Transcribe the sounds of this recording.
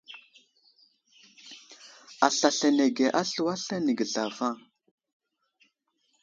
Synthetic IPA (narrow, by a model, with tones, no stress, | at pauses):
a˨ɬa˨ɬa˨ne˨ɡe˨ʔa˦ɬu˨wa˦ɬa˦ni˨ɡə˨ɮa˨va˦˨ŋ